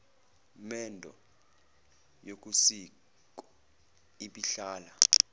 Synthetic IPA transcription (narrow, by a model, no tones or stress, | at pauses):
mɛndʱɔ̰ | jok̬ʼusi | kɔ | iɓiɬaːla